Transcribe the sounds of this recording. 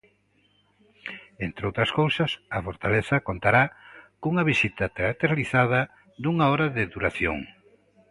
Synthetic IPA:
ent̪ɾeowt̪ɾɐskowsɐsɐfoɾt̪aleθɐkont̪aɾakuŋɐβisit̪ɐt̪eat̪eɾaliθaðɐ | d̪uŋɐɔɾɐðɪðuɾaθjo̰ŋ

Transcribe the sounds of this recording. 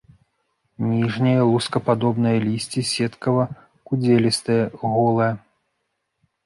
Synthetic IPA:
nʲiʐnʲɐjɐlˠuskɐpad̪ɔbn̪ɐjɐlʲisʲt͡sʲisʲɛt̪kɐvɐ | kud͡zʲɛlʲist̪ɐjɐɣɔlˠɐjɐ

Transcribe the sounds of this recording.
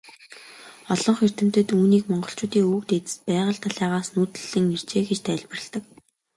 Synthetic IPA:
ɔɮɞ̆ɴχer̥t̪ɘ̆m̥t̪ɘ̆t̪uːniːkmɔɴɢɞ̆ɬt͡ɕʊːt̪iːŋukt̪et̪ɘ̥̆s̚pæːʁə̆ɬt̪ʰaɮæːʁaːsnuːt̪ɘ̆ɮɘ̆ŋer̥t͡ɕeːɡet͡ɕt̪ʰæːɮʲpɘ̆rə̆ɮt̪ə̆k

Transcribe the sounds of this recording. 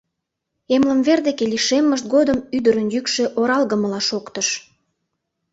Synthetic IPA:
emlə̆mverd̪ekeliʃemːəʃt̪̚ɡod̪əmyd̪əɾənjykʃeʔoɾɑlɣəməlɑʃokt̪əʃ

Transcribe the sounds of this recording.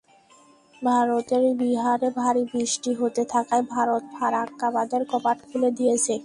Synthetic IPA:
bʱaɾot̪eɾbiɦaɾebʱaɾibɾiʃʈiɦot̪et̪ʰakaebʱaɾot̪̚bʱaɾakːabad̪eɾkɔpaʈkʰuled̪ijet͡ɕʰe

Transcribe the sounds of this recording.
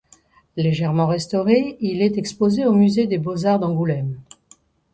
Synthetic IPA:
leʒɛʁmɑ̃ʁɛst̪ɔʁeilɛt̪ɛkspozeomyzed̪ebozaʁd̪ɑ̃ɡulɛm

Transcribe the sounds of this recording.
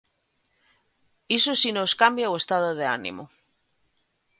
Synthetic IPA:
isosinoskambjawe̞st̪að̞oð̞eanḭmo̰

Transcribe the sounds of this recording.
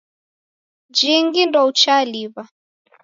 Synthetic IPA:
d͡ʒiŋɡindɔut͡ʃaliβa

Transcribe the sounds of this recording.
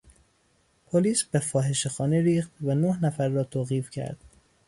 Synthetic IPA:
pʰoliːsbe̞fɒːɦe̞ʃexɒːneɾiːxt̪vænohnæfæɾːɒːt̪ʰoːɣiːfcʰæ̰ɾd̪̥

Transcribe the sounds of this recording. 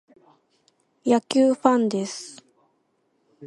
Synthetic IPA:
jakʲɨːɸãnd̪e̞sɨ̥

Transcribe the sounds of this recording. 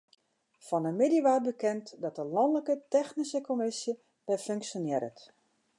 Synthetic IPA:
fɔnəmɪdiʋaːr̚bəkɛntdɔt̚əlɔndləkətɛxnisəkomɪsjə | bɛføŋksjonjɪɾə̰t

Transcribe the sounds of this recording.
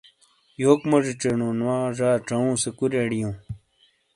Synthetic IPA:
joːkmɐʐiʈ͡ʂeɳõːnwaːʐaːʈ͡ʂɐũːsekuɾeɽijõː

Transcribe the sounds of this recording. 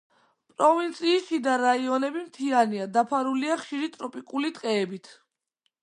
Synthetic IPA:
pʼɾɔvint̪sʼʰiːʃid̪aɾaiɔnɛbimt̪ʰianiad̪apʰaɾuliaχʃiɾit̪ʼɾɔpʼikʼulit̪ʼqʼɛːbit̪ʰ

